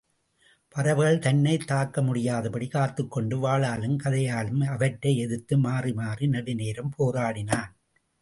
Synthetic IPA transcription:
pɐɾɐʋɯɣɐɭt̪ɐnːɐɪt̪ːaːkːɐmʊɽɪjaːðɐpɐɽikaːɾt̪ɯkːɔɳɖɯʋaːɭaːlɯmkɐðɐjaːlɯmɐʋɐʈːɐɪɛðɯt̪ːɯmaːrimaːrinɐɽɪneːɾɐmpoːɾaːɽɪnaːn

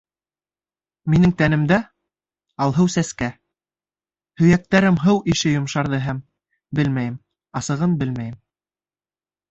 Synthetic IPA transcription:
minɘŋt̪ænɘ̆md̪æ | ɑlˠɦɤwsæskæ | hɵ̆jæk̚t̪æɾɘmɦɤwʔiʃɘjŏmʃɑɾðɤɦæm | bɘlmæjɘm | ɑsɤ̆ʁɤnbɘlmæjɘm

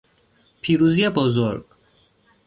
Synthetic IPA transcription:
pʰiːɾuziɛbɔzoɾɡ̥

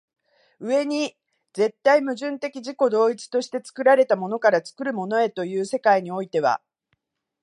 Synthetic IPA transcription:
ɯ̟e̞ɲ̟i | d͡ze̞t̪ːaimɯ̟ʑɨ̃nt̪e̞kʲiʑiko̞d̪o̞ːit͡sɨ̥t̪o̞ɕi̥t̪e̞t͡sɨ̥kɯ̟ɾaɾe̞t̪amo̞no̞kaɾat͡sɨ̥kɯ̟ɾɯ̟mo̞no̞e̞t̪o̞jɯ̟ːse̞kaiɲ̟io̞it̪e̞β̞a̰

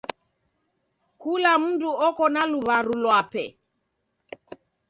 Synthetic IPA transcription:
kulam̩nduɔkɔnaluβaɾulwapɛ̰

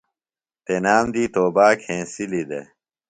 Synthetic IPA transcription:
t̪enaːmd̪iːt̪oːbaːkʰẽːsilid̪ḛ

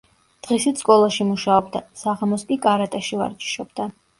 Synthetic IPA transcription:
d̪̥ʁisit̪skʼɔlˠaʃimuʃaɔbd̪asaʁamɔskʼikʼaɾat̪ʼaʃiva̰ɾt͡ʃʼi̥ʃɔb̚d̪a

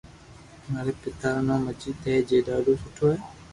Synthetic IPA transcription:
maɾɛːpɪt̪aːnɔ̃ːməd͡ʒit̪ɛd͡ʒeːɖaːɖoːsʊʈʰoɛː

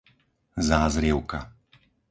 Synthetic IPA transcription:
zaːzɾiʊka

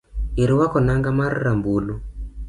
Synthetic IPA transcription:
eɾewakɔnaŋɡamaɾːambulo

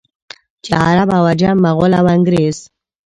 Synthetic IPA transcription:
t͡ʃa̰aɾabawad͡ʒamːaɣʊlawaŋɡɾez̥

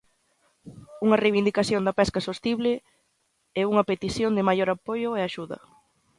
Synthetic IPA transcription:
uŋɐrejβind̪ikaθjond̪apɛskasost̪iβlɪ | ɛuŋɐpet̪iθjond̪ɪmajoɾapojʊɛaʃuðɐ̰

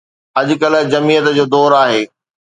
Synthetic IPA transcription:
ɐʄʊ̆kɐl̆d͡ʑɐmiːjət̪d͡ʑoːd̪ɔːɾaːɦeː

